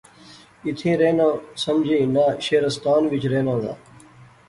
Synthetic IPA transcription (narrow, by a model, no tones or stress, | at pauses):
ɪt̪ʰẽːɾeːnãːsəmd͡ʒʱẽːnaːʃeːɾəst̪aːnʋɪt͡ʃɾeːnãːd̪a̰ː